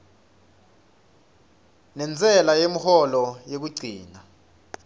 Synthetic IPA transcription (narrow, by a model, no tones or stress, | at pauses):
nɛnd͡zʱʼɛlajem̩hɔlɔjek̬uɡ͡ǀʱiːna